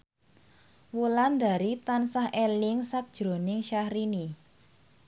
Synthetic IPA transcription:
wuland̪a̤ɾit̪ansahʔelɪŋsak̚d̥ʒ̥ɾo̤nɪŋʃahɾini

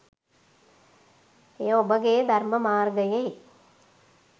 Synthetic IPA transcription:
ejobəɡejəd̪ʱɐrməmaːrɡəje

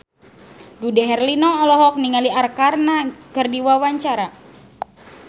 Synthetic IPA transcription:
dudɛɦɛrlinɔɔlɔɦɔk̚niŋaliarkarnakərdiwawaɲt͡ʃaɾa

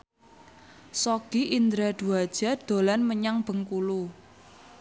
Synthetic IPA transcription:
sɔɡ̥iʔind̪ɾad̪̥ṳad̥ʒ̥a̤d̪̥o̤lanməɲaŋb̥ə̤ŋkulu

